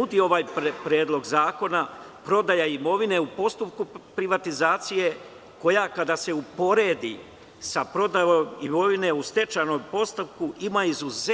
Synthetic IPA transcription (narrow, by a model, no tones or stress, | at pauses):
ud̪io̞ʋaːjpɾjeːd̪lˠo̞ɡzaːko̞na | pɾo̞d̪ajaimo̞ʋine̞upo̞st̪upkupɾiʋat̪izaːt̪sije̞ | ko̞jakad̪ase̞upo̞ɾeːd̪ḭ | sapɾo̞d̪ajomimo̞ʋine̞ust̪e̞t͡ʃano̞mpo̞st̪oʋkuʔimaizuze